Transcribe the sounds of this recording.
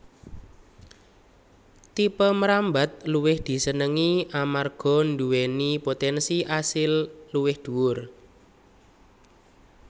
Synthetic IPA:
t̪ipəməɾambat̪̚luwɪhd̪̥i̤sənəŋiamarɡ̥ɔ̤nduwenipot̪ɛnsiʔasɪlluwɪhd̪̥ṳwʊr

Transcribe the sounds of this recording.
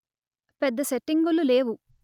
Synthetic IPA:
pɛd̪ːɐseʈːiŋɡululeːʋu

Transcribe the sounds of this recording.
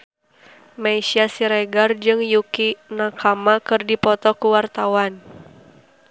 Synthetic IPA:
maisiasiɾɛɡard͡ʒɨŋjukinakʰamakɨrdipɔt̪ɔkuwart̪awan

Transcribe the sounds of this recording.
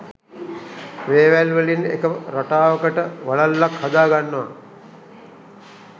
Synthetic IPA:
ʋeːʋælʋəlinḛkəɾaʈaːʋəkəʈəʋaɭalːakhad̪aːɡanːɐʋa̰

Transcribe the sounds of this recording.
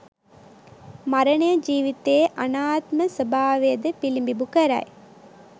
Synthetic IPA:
maɾɐnejəd͡ʒiːʋit̪eːʔanaːt̪məsəbʱaːʋejəd̪əpilimbibukəɾɐ̰j

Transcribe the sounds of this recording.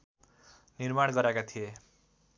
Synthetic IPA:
nirmaɽ̃ɡʌɾakat̪ʰije

